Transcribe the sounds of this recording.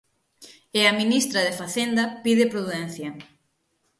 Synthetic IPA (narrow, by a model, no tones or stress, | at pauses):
eɐminist̪ɾɐðefaθend̪ɐpiðɪpɾuðuðɛnθjɐ